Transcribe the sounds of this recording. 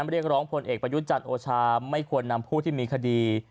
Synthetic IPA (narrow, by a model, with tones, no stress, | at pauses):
mɾi˥˩ək̚ɾɔː˦˥ŋpʰo˧nʔeː˨˩k̚pɾa˧ju˦˥t̪̚t͡ɕa˨˩nʔoː˧t͡ɕʰaː˧ma˥˩jkʰu˧ənːa˧mpʰuː˥˩t̪ʰiː˥˩miː˧kʰa˧diː˧